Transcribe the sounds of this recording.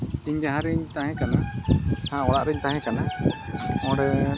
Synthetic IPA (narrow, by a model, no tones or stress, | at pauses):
iɲd͡ʒaɦãɾiɲt̪aɦɛ̃kanahãɔɽaʔɾɛɲt̪ãɦɛ̃kana | mɔ̃ɽɛ